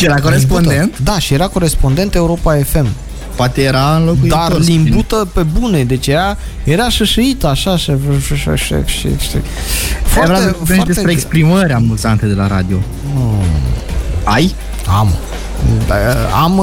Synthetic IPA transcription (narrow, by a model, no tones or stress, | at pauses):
ʃijeɾakoɾespond̪e̞nt̪d̪aʃije̞ɾako̞ɾe̞spo̞nd̪e̞nt̪e̞uɾo̞pae̞fe̞m | poat̪ejeɾaɨnlokuid̪arlimbut̪əpe̞bune̞d̪e̞t͡ʃʲjeɾa | jeɾaʃəʃəit̪əaʃaʃəʃəʃə̰ʃḛʃḭʃḭ | foavɾaefeʃaɾd̪esepɾeːkspɾiməɾamuzant̪əd̪e̞laɾa̰d̪io̞ | aj | a̰m | am